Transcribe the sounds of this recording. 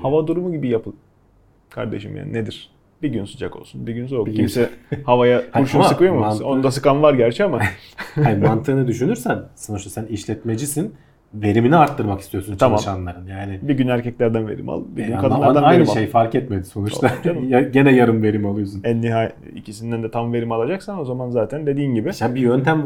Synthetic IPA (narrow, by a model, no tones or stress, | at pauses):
havad̪uɾumuɟibijapʰɯlˠ | kʰaɾd̪e̞̰ʃimja̰ːnined̪iɾ̥ | biɟynsud͡ʒako̞̰lˠsunbiɟynsoimsɛhavajakuɾuʃumsɯkɯjomusonund̪asɯkanvaɾɟæɾt͡ʃʰɛamaanimant̪ʰɯɯnɯd̪yʃynyɾsænsanut͡ʃt̪asæniʃlʲɛt̪me̞d͡ʒisin | ve̞ɾiminiaɾt̪ʰːɯɾmaki̥st̪ijo̞sunt͡ʃ̪ʰamamt͡ʃʰanlˠaɾɯnjaːnɪbiɟynæɾcʰɛclʲæɾd̪ænve̞̰ɾḭma̰lˠbinkʰad̪aɾanajejnɾimalʃejifaɾkɛt̪med̪iso̞nut͡ʃt̪ʰaamaɟenɛjaɾɯmve̞ɾimalˠujsunɛnːiɦaj | ḭcʰisind̪ænd̪ɛt̪ʰamve̞ɾimalˠad͡ʒaksano̞zamanzaːt̪ʰænd̪e̞d̪iːnɟibɪsabijø̞nt̪ʰæm